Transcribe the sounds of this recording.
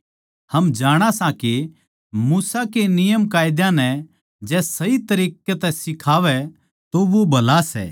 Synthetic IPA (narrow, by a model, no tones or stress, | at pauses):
hɐmd͡ʒaːɽ̃asãke | muːsakenɪjəmkaːjd̪jãnɛ | d͡ʒɛːsɐit̪ɐɾiːkɛt̪ɛsɪkʰaːʋɛ | t̪oʋobʱɐlasɛ̰ː